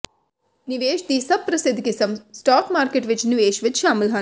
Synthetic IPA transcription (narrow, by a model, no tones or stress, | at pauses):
niʋeːʃt̪iːsɐbpːɾɐsɪd̪ʱɡɪsɐmsʈaːkmaːɾkeʈʋɪt͡ʃnɪʋeːʃʋɪt̪ʃaːmɪlɦɐ